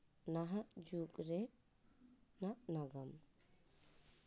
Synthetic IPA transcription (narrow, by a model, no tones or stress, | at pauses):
naɦaʔd͡ʒukʼɾɛ | naʔnaɡam